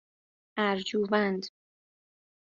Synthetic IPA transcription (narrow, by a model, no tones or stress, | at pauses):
æɾd͡ʒuːvænd̪